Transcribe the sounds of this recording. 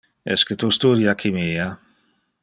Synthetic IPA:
ɛ̰skət̪ust̪uɾjakʰimiːa

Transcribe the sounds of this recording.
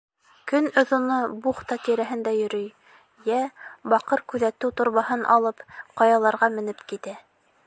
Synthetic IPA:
kɵnŏðŭnɤbuχt̪ɑt̪iɾæɦɘnd̪æjɵ̆ɾɵj | jæbɑqɤɾkʉðæt̪ɘwt̪ŏɾβɑhɤnʔɑ̰lˠɤpqɑjɑlˠɑɾʁɑmɘ̆nɘpkit̪æ

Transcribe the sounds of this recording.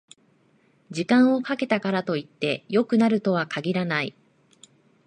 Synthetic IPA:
d͡ʑikãɰ̃o̞kake̞t̪akaɾat̪o̞it̪ːe̞jo̞kɯ̟naɾɯ̟t̪o̞β̞akʰaɡʲiɾanai

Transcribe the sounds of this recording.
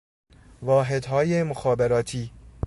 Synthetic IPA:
vɒːɦed̪ɦɒːjemoxɒːbeɾɒːt̪ʰiː

